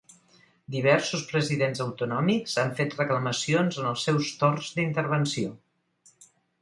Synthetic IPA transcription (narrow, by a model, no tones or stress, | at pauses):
d̪iβ̞ɛɾsuspɾəziðenzəwt̪unɔmikz̥aɱfet̪rəkləməsionzənəlˠsɛwst̪orzd̪int̪əɾβ̞ənsio